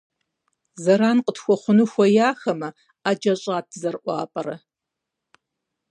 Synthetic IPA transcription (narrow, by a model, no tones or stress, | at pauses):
zɐɾaːnqʼətxʷɔχʷʊnuːxʷɔjaːxɐmɐ | aːd͡ʒɐɕʼaːt̚ʰzɐrʔʷɑ̰ːpʼɐɾɐ